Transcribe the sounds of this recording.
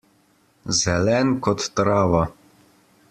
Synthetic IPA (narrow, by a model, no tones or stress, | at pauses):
zɛlɛnkɔt̪ːɾaːʋa